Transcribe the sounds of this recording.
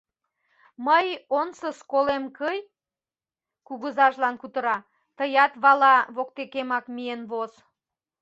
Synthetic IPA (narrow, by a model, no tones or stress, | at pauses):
məjonsəskolemkəj | kuɣəzɑʒlɑnkut̪əɾɑ | t̪əjɑt̪βɑlɑβok̚t̪ekemɑkmienβoz